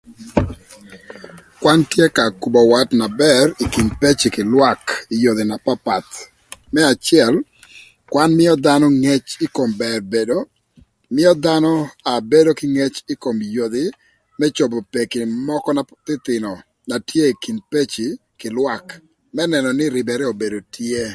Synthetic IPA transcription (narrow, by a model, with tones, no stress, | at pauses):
kwa˦ntje˦ka˨ku˨bɔ˨wa˦tna˨bɛri˨ki˨npe˦t͡ʃi˨kɪ˨lwa˦ki˨jo˨d̪ɪ˨na˨pa˦pa˨t̪ | mɛ˦a˨t͡ʃɪjɛ˨l | kwa˦nmɪ˦ɔ˦d̪a˦nɔ˦ŋe˦t͡ʃɪ˦ko˨mbɛ˨rbe˨do˦ | mɪ˦ɔ˦d̪a˦nɔ˦a˨be˦do˦kɪ˦ŋe˦t͡ʃɪ˦ko˨mjo˨d̪ɪ˨ | mɛ˦t͡ʃo˨bo˨pe˨kɪ˨mɔ˦kɔ˦na˨t̪ɪ˦t̪ɪ˨nɔ˨ | na˨tʰje˦i˨ki˨npe˦t͡ʃi˨ | kɪ˨lwa˦k | mɛ˦nɛ˨nɔ˨nɪ˦ɾɪ˨bɛ˨ɾɛ˦o˨be˨do˨tje˦